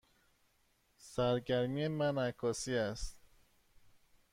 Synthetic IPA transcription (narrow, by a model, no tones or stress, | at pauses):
sæɾɟæɾmiemænækʰːɒːsiːæst̪̚